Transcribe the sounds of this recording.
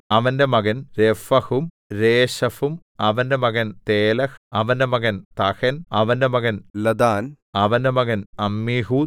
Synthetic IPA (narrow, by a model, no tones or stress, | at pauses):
ɐʋɐndemɐɡɐnɾefɐhum | ɾeːɕɐfum | ɐʋɐndemɐɡɐnt̪eːlɐhɐʋɐndemɐɡɐnt̪ɐhɐnɐʋɐndemɐɡɐnlɐd̪aːn | ɐʋɐndemɐɡɐnɐmːiːɦu